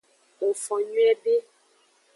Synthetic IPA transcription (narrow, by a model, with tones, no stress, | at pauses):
o˨fɔ˨ɲwɛ˦be˦